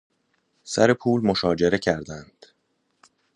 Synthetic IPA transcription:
sæ̰ɾe̞pʰuːlmo̞ʃɒːd͡ʒe̞ɾe̞cʰæɾd̪ænd̪̥

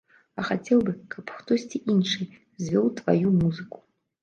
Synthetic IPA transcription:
ɐxat͡sʲɛwbɨkʰɐpxt̪ɔsʲt͡sʲiʔinʂɨ | zʲvʲɔwt̪vajumuzɨku̥

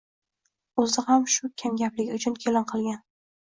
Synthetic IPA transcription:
ɵzɪhamʃʊkʲʰamɡʲaplɪɡʲʊt͡ʃʰʊnkʰʲelɑnqʰɨlˠɡʲan

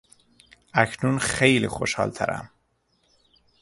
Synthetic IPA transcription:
ækʰnuːnxejlḭːxo̰ʃhɒ̰ːlt̪ʰæɾæ̰m

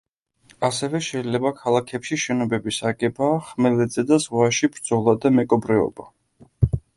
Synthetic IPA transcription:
asɛvɛʃɛilɛbakʰalˠakʰɛpʃiʃɛnɔbɛbisaɡɛbaːχmɛlɛd̪zɛd̪azʁwaʃibɾd̪zɔlˠad̪amɛkʼɔbɾɛɔ̰ba

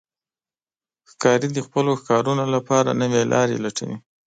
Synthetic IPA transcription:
xkɑɾid̪əxpəloxkɑɾunolapɑɾa̰nəwelʔɑ̰ɾḛlaʈə̰wḭ

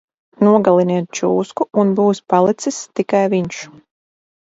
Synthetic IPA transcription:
nuɔɡalˠiniɛt̪̚t͡ʃuːskuunbuːspalˠit̪sist̪ikajviɲʃ

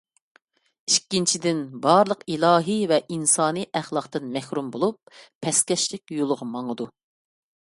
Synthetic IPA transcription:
iʃkʲːint͡ʃʰid̪ɪnbɑɾlˠəqilˠɑːɦɨvɛʔinsɑːnɨʔæχlˠɑqt̪ɨnmɛhɾumbolˠup̚ːʰɛskʲɛʃlɪkʲjolˠʁɑmɑŋəd̪u

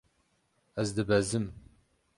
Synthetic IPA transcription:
ɛzd̪ɨbɛzɨm

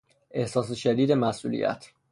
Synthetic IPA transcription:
ʔe̞hsɒːs̬eʃæd̪iːd̪e̞mæsʔṵːlḭjæ̰t̪ʰ

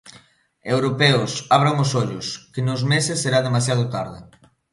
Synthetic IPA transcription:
ewɾopɛʊsaβ̞ɾoŋʊsoʎʊskɪnʊzmesɪsːeɾaðemasjað̞ʊt̪aɾðɪ

